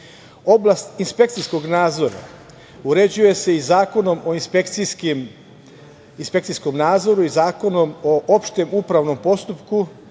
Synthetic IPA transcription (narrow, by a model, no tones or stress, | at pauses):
o̞blast̪inspe̞k̚t̪sijskoɡnaːd̪zo̞ɾa̰ | uɾe̞d͡ʑuje̞se̞izaːko̞no̞moinspekt̪ikm | inspe̞kt̪sijsko̞mnaːd̪zo̞ɾuizaːko̞nomoʔopʃt̪e̞mupɾaʋno̞mpo̞st̪upku